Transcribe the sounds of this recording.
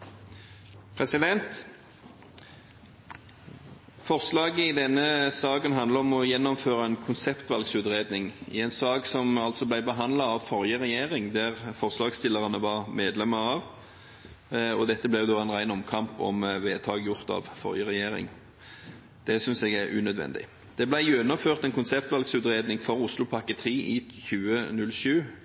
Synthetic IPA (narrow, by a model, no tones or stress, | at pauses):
pʰɾɛsɪd̪ɛnt̪ | fɔʁslɑːɡəɪd̪ɛnːəsɑːkənɦɑnd̪ləɾɔmɔjɛnːɔmføːɾəɛnkʰʊnsɛpt̪ʋɑlɡsʉːt̪ʁeːd̪nɪŋɪ̰ɛnsɑːksɔmɑlt̪sɔblæɪbəɦɑnd̪lɑɑʋfɔɾjəʁɛjeːʁɪŋd̪æʁfɔʁslɑːɡst̪ɪlːəʁɑnəʋɑʁmeːd̪lɛməɾɑʋ | ɔd̪ɛt̪ːəblɛjʊd̪oːɛnʁæɪnɔmkʰɑmpɔ̰mʋeːt̪ʰɑːɡjʊʁt̪ɑ̰ʋfɔ̰ɾjəʁɛjeːɾɪ̰ŋ | d̪̥ɛsʏnsɛɡæɾʉ̰nœd̪ʋɛ̰nd̪ɪ̰ | d̪̥ɛblæɪjønɔmføːʁt̪ɛnkʊnsɛpt̪ʋɑlɡsʉːt̪ɾeːd̪nɪŋfɔɾʊslʊpʰɑkət̪ʰʁiːʔɪçʉːənʉlʃʉː